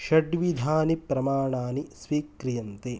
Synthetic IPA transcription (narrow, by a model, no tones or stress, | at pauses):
ʃɐɖʋid̪ʱaːnipɾɐmaːɳaːnisʋiːkɾijɐnt̪e